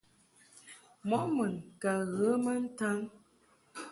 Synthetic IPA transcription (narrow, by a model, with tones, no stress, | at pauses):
mɔ˨˦ʔmə˨ŋka˨ɣə˨˦mə˦n̩˦ta˦ŋ